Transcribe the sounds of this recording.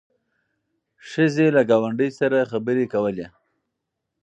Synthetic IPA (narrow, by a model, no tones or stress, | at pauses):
ʃəzelaɡɑwaɳɖəjsaɾaxabəɾekawəle